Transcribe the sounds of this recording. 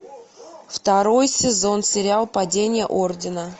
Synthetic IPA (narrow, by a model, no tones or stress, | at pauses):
ft̪ɐɾo̞jsʲɪzo̞nsʲɪɾʲɪalˠpɐdʲenʲɪjə̰ʔordʲɪnə